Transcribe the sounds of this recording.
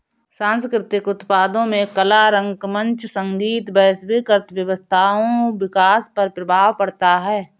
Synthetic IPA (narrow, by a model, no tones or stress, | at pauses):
sãːnskɾɪt̪ɪkʊt̪paːd̪õmẽkəlaɾə̃ŋɡmə̃nt͡ʃsə̃ŋɡiːt̪bəɦsbikəɾt̪bjəʋəst̪ʰaːõʋɪkaːspəɾpɾəbʱaːʋpɐɽt̪aɦɛː